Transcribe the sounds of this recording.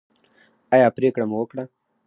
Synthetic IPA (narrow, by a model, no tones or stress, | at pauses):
ajaːpɾeːkɽamuwəkɽa